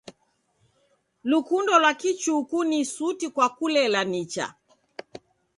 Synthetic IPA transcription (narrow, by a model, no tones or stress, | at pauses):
lukundɔlwakit͡ʃukunisutikwakulɛlanit͡ʃa̰